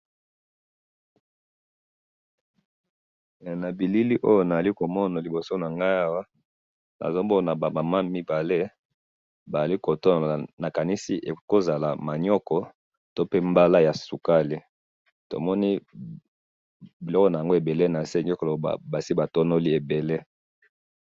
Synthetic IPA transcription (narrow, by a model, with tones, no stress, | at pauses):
na˨bi˨li˦li˦ʔo˦jo˦na˨za˨li˦ko˨mɔ˦na˨li˨bo˨so˦na˨ŋɡa˦a˦wa˦ | na̰˨zo˦mbo˦na˨ba˨ma˨ma˦mi˦ba˨le˦ | ba˨za˨li˦ko˨to˦n˨lna˨ka˨ni˦si˦ʔe˨ko˦za˨la˨ma˨ɲɔ˦kɔ˨ | to˦pe˦mba˦la˦ja˨su˨ka˦li˦ | to̰˨mɔ˦ni˦ | bi˨lɔ˦kɔ˦na˨ja˨ŋɡo˦e˨be˨le˦na˨se˦ɲ˦ɔ˦ko˨o˨˦a̰˨ba˨si˦ba˨to˦no˦li˦e˨be˨le˦